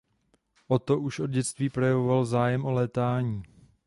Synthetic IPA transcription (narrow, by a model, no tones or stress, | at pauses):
ʔo̞t̪o̞ʔuʃʔo̞d̪ɟɛt͡st̪viːpɾo̞jɛvovalzaːjɛmʔo̞lɛːt̪aːɲiː